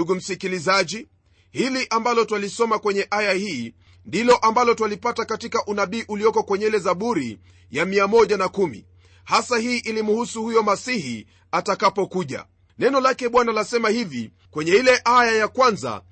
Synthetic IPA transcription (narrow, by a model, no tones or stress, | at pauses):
uɡum̩sikilizaʄi | hiliʔambalɔtwalisɔmakwɛɲɛʔajahiː | ndilɔʔambalɔtwalipatakatikaʔunaɓiːʔulijɔkɔkwɛɲɛlɛzaɓuɾḭ | jamiamɔʄanakumḭ | hasahiːʔilimuhusuhujɔmasihi | atakapɔkuʄa̰ | nɛnɔlakɛɓwanalasɛmahivi | kwɛɲɛilɛʔajajakwanza̰